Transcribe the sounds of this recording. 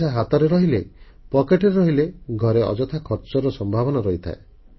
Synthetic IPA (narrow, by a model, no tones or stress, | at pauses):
aɦat̪ɔɾeɾɔɦile | pɔkeʈɔɾeɾɔɦileɡʱɔɾeɔ̰d͡ʒɔt̪ʰakʰɔɾt͡ʃɔɾɔsɔmbʱaβɔnaɾɔɦit̪ʰa̰e